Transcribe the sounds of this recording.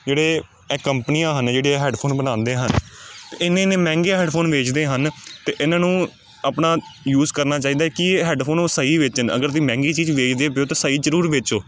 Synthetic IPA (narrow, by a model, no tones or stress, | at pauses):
d͡ʒeːɽeː | ɛːkəmpənijãːɦənd͡ʒeːɽeːɦɛːɖpʰoːnbənãːnd̪eːɦənt̪eːɪnẽːneːmɛ̃ːŋɡeːɦɛːɖpʰoːnʋeːt͡ʃd̪eːɦənt̪eːʔɪnãːnũː | aːpnaːjuːzkəɾnaːt͡ʃaːiːd̪aɛkɪɦɛːɖpʰoːnoːsəiːʋɪt͡ʃɦənə̰ɡəɾt̪̬iːmɛ̃ːŋɡiːt͡ʃiːd͡ʒʋeːt͡ʃd̪eːp̬ɪjoːt̪eːsəiːzəɾuːɾʋɪt͡ʃoː